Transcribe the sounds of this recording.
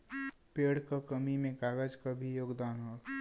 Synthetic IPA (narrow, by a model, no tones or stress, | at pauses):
peːɽkakəmimẽkaːɡəd͡ʒkabʱijoːɡd̪aːnɦo